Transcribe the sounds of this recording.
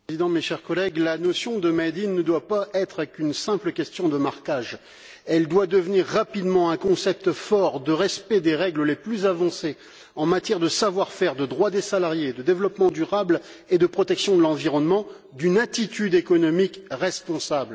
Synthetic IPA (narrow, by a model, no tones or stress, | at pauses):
zid̪ɑ̃meʃɛʁkɔlɛɡlanɔsjɔ̃d̪əmɛd̪inːəd̪wapaʔɛt̪χəkynsɛ̃pləkʲɛst̪jɔ̃d̪əmaʁkaʒ | ɛld̪wad̪əvniʁːapid̪mɑ̃ɛ̃kɔ̃sɛp̚t̪fɔʁd̪əʁɛspɛd̪eʁɛɡləleplyzavɑ̃se | ɑ̃mat̪jɛʁd̪əsavwaʁfɛʁd̪əd̪ʁwad̪esalaʁjed̪əd̪evlɔpmɑ̃d̪yʁabl | ed̪əpχɔt̪ɛksjɔ̃d̪əlɑ̃viʁɔnmɑ̃ | d̪ynat̪it̪yd̪ekɔnɔmikʁɛspɔ̃sabl